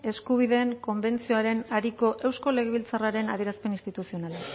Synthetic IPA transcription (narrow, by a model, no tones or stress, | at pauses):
e̞skuβ̞iðe̞ːŋko̞mbe̞nt͡sio̞aɾe̞naɾiko̞ʔe̞wsko̞le̞ɣ̞eβ̞ilt͡saraɾe̞naðieɾaspe̞nist̪it̪usio̞nala